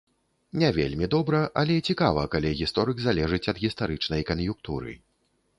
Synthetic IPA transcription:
nʲɛvʲḛlʲmʲid̪ɔbɾɐʔɐlʲɛt͡sʲikavɐkalʲiɣʲist̪ɔɾɨɡzalʲɛʐɨt͡sʲɐd̪ɣʲist̪aɾɨt͡ʂnɐjkɐnjukt̪uɾɨ̰

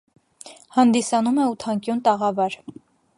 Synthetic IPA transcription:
hɑnd̪isɑnumɛut̪ʰɑŋkjunt̪ɑʁɑvɑɾ

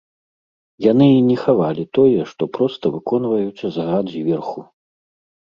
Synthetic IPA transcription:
janɨinʲɛxavalʲit̪ɔjɛʂt̪ɔpɾɔst̪ɐvɨkɔnvɐjut̪sʲɐzaɣad̪zʲvʲɛrxu

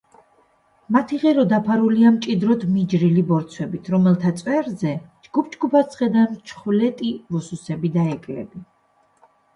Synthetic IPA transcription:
mat̪ʰiʁɛɾɔd̪apʰaɾuliamt͡ʃʼid̪ɾɔt̪ʰmid͡ʒɾilibɔɾt̪sʰwɛbit̪ʰɾɔmɛlˠt̪ʰat̪sʼwɛɾzɛd͡ʒɡ̥up̚ʰd͡ʒɡupʰasχɛd̪ant͡ʃʰχulɛt̪ʼivɔsusɛbid̪aɛkʼɾɛ̰bi

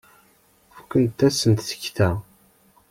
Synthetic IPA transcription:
fəkʷːənt̪ːæsənt̪θə̥çθæ

